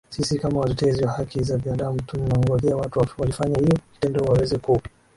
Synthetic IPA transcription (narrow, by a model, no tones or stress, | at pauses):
sisikamawatɔtɛziwahakʰizavinaɗam̩tuninaŋɡɔðiawatuwalifaɲahijɔki̥tɛndɔuwawɛzɛku